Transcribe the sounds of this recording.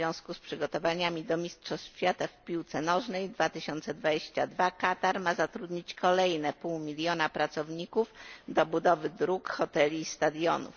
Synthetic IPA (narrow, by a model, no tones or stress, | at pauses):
jɔ̃w̃skuspʂɘɡɔt̪ɔvaɲamʲid̪ɔmʲistʂɔɕfʲjat̪afpʲiwt̪sɛnɔʐnɛjd̪vat̪ɘɕɔnt̪sɛd̪vad͡ʑeɕt͡ɕad̪vakat̪aɾmazat̪ɾud̪ɲit͡ɕkɔlɛjnɛpuwmʲilʲjɔnapɾat̪sɔvɲikufd̪ɔbud̪ɔvɘd̪ɾukxɔt̪ɛlʲiːst̪ad̪jɔnṵf